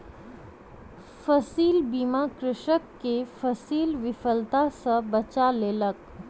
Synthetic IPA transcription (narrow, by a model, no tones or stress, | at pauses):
fəsiːlbiːmakɾɪʃəkːefəsiːlʋɪfəlt̪asəbət͡ʃaleːlək